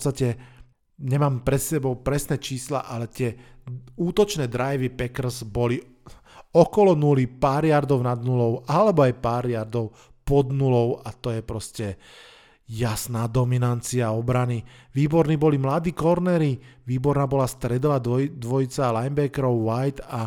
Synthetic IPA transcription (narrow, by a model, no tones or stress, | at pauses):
ɔst̪acɛ | ɲɛmaːmpɾɛt̪sɛbɔʊpɾɛsnɛt͡ʃiːsla̰ʔalɛt̪ɪɛ | uːt̪ɔt͡ʃnɛːd̪ɾajʋipɛkr̩zbɔli | ɔkɔlɔnulipaːɾjaɾd̪ɔʊnad̪nulɔʊalɛbɔajpaːɾjaɾd̪ɔʊ | pɔd̪nulɔʊat̪ɔjɛpɾɔscɛ | jasnaːd̪ɔminant͡siaɔbɾaniʋiːbɔɾniːbɔlimlad̪iːkɔɾnɛːɾiʋiːbɔɾnaːbɔlast̪ɾɛd̪ɔlad̪ʋɔjit͡salajmbɛkɛɾɔʊʋajt̪a